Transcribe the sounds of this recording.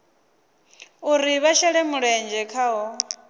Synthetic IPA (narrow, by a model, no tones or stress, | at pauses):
uɾiβaʃɛɺɛmuɺɛnd͡ʒɛkʰaːɦɔ